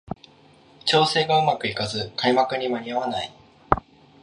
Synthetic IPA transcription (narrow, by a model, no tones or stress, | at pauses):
t͡ɕo̞ːse̞ːɡaɯ̟makɯ̟ikazɨkaimakɯ̟ɲ̟imaɲ̟iaβanai